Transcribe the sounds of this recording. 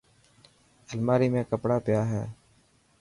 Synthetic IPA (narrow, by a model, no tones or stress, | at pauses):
əlmaːɾiːmẽːkəpɽaːpɪjaːɦɛ̰ː